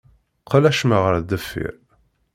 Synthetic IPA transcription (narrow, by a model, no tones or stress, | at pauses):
qəlæʃməʁəɾd̪æfḭɾ